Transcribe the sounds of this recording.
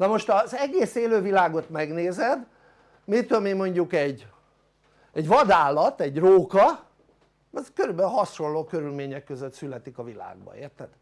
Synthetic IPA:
nɒmo̞ʃt̪ɒzɛɡeːseːløːvilaːɡo̞t̪mɛɡneːzɛd̪ | mit̪ølmimo̞ɲɟukɛɟ | ɛɟʋɒd̪aːlɒt̪ɛɟroːkɒ | zkøɾybɛɦɒʃo̞loːkø̞ɾylmeːɲɛkːøzøt̪sylɛt̪ikɒvila̰ːɡbɒ̰ḛːrt̪ːɛd̪

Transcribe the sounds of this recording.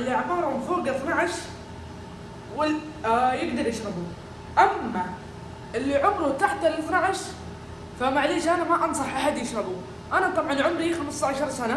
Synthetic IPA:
lʔaʕmɑːɾˤbfoːɡaθnaʕaʃ | wɪl | jɪɡd̪ɑɾˤjɪʃɾˤɑbu | ʔamːa | ʔɪlːiʕʊmɾʊt̪aħt̪alɪθnaʕaʃ | famaʕliːʃʔanamaʔɑns̬ˤɑħʔaħad̪jɪʃɾˤɑbu | ʔanat̪ˤɑbʕɑnʕʊmɾixamɪst̪aʕaʃɑɾˤsana

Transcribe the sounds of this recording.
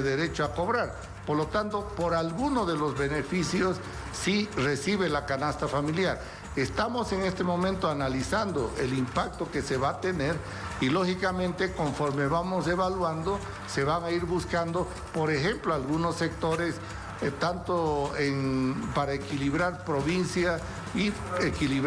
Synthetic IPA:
ðeɾet͡ʃoako̞βɾaɾ | poɾlo̞t̪ant̪o̞po̞ɾalɣunoðe̞lo̞zβe̞ne̞fisjosː | ire̞siβe̞lakanast̪afamiljaɾ | est̪amo̞se̞ŋe̞st̪emõ̞mẽnt̪oanalisand̪oʔelimpak̚t̪o̞ke̞se̞βat̪ene̞ɾ | ilo̞xikamẽnt̪eko̞ɱfoɾme̞βamoseβalwand̪o | se̞βaŋaiɾβuskand̪o | po̞ɾexe̞mploalɣunosːe̞k̚t̪o̞ɾe̞s | t̪ant̪oeŋpaɾaekiliβɾaɾpɾo̞βinsja | i | ekiliβ

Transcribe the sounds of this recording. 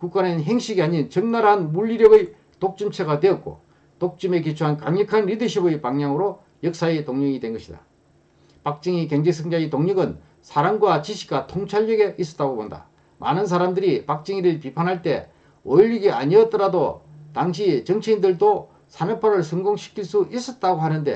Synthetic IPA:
kuk͈anɯnɦe̞ŋɕʰiɡiaɲint͡ɕʌŋnaɾɦanmuʎːiɾjʌɡɯj | tok̚t͡ɕ͈ɯmt͡ɕʰeɡadwe̞ʌt̚k͈o̰ | tok̚t͡ɕ͈ɯme̞k̬it͡ɕʰuɦankaŋɲʌkʰanɾidɯɕʰibɯjpaŋɲaŋɯɾo | jʌk̚s͈aitoŋɲɯɡidwe̞nɡʌɕʰida̰ | pak̚t͡ɕ͈ɯŋikeŋd͡ʑesʰɯŋd͡ʑaitoŋɲɯɡɯn | sʰaɾaŋɡwat͡ɕiɕʰi̥ɡatʰoŋt͡ɕʰaɭːʌɡe̞ʔis͈ʌ̥t͈aɡobonda̰ | mʔa̰nɯns̬ʰaɾamdɯɾipak̚t͡ɕ͈ɯŋiɾɯɭpipʰanɦaɭt͈e̞̰ | oiʎiɡia̰ɲiʌt͈ʌɾado̰taŋɕʰit͡ɕʌŋt͡ɕʰeindɯɭdo | sʰanɯpʰaɾɯɭsʰɯŋɡoŋɕʰi̥kʰiɭs͈uʔis͈ʌt̚t͈aɡoɦhanɯnde̞̰

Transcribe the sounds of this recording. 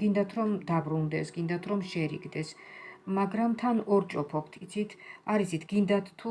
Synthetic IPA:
ɡind̪at̪ʰɾɔmd̪abɾund̪ɛsɡind̪at̪ʰɾɔmʃɛɾḭɡd̪ɛs | maɡɾamt̪ʰanɔɾt͡ʃʼɔpʰɔpʰt̪ʰit̪sʰit̪ʰaɾit̪sʰit̪ʰɡ̥ind̪at̪ʰːu

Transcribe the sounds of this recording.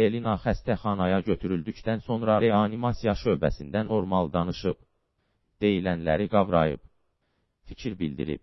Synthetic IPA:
elinɑχæst̪æχɑnɑjɑɟøt̪ʰyɾyld̪ycd̪ænso̞nɾɑɾeɑnimɑsijɑʃø̞ːbæ̰sind̪ænːo̞ɾmɑlˠd̪ɑnɯʃɯb | d̪̥e̞jilænlæ̰ɾiɡɑvɾɑ̰jɯ̰b̚ | ficʰiɾbḭld̪ḭɾḭb̚

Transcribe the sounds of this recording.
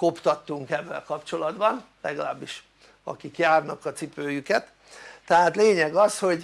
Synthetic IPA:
ko̞pt̪ɒt̪ːuŋkɛvːɛ̰lkɒpt͡ʃo̞lɒd̪bɒnlɛɡɒla̰ːbːiʃ | ɒ̰kikjaːrnɒkɒt̪sipøːjykɛt̪ː | ɛɦaːt̪leːɲɛɡɒsho̞ɟ

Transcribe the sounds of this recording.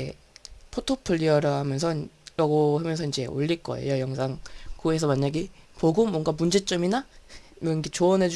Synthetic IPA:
e | pʰotʰopʰɯʎːiʌɾʌɦamjʌns̬ʰʌɾaɡohamjʌnsʰʌind͡ʑe̞o̰ʎːiɭk͈ʌ̰ḛjʌjʌŋsʰaŋkoe̞sʰʌmaɲːaɡipoɡɯmːwʌŋɡamund͡ʑe̞t͡ɕ͈ʌminamʌket͡ɕoʌnɦe̞d͡ʑ

